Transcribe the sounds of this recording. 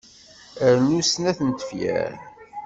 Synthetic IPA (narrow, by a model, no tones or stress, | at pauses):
əɾnusnæθənt̪ə̥fjæ̰ɾ